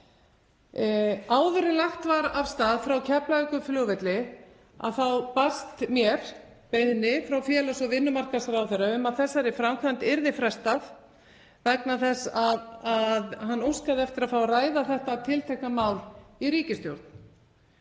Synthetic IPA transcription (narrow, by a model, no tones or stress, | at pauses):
aːwðʏɾɪlaxt̪vaɾav̥st̪aːðfɾawcʰɛplaɛkʏflʏːɣvɛt̪lɪ | a̰ðθawpast̪mjɛɾ̥ | pejðnɪfɾawfjɛlasɔvɪnːʏmar̥kasɾawθɛɾaʏmaðθɛsːaɾɪfɾamkʰant̪ɪɾðɪfɾɛst̪að | vɛknaθɛsaðaðɦanːuwskaðɛft̪ɪɾaðfawraːjðaθɛht̪aːt̪ʰɪlt̪ʰɛhkamaːwliɾiːcɪst̪jowɾt̪n̥